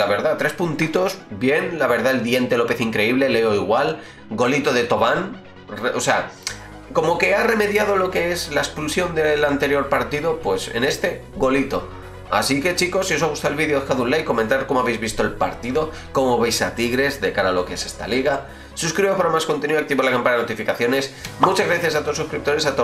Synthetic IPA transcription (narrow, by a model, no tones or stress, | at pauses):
laβe̞ɾðat̪ɾe̞spunt̪it̪o̞zbje̞nlaβe̞ɾðaeld̪je̞nt̪e̞lo̞pe̞θiŋkɾeiβle̞le̞o̞iɣwal | ɡo̞lit̪o̞ðe̞t̪o̞βan | reʔose̞a | ko̞mo̞ke̞are̞me̞ðjað̞o̞lo̞ke̞eslaekspulsjo̞nd̪e̞lant̪e̞ɾjo̞ɾpaɾt̪iðo̞pwe̞sḛne̞st̪e̞ | ɣo̞lit̪o̞̰ | a̰sike̞t͡ʃiko̞sios̬aɣust̪alβiðjoekaðunlajko̞mẽ̞nt̪aɾko̞moaβejzβist̪o̞elpa̰ɾt̪iðo̞ | ko̞mo̞βejsat̪iɣɾe̞zðe̞kaɾalo̞keese̞st̪a̰liɣa | suskɾiβopaɾamasko̞nt̪enuakt̪iβolakampanaenot̪ifikaθjo̞nesmut͡ʃazɣɾaθjas̬at̪os̬uskɾip̚t̪o̞ɾe̞sat̪o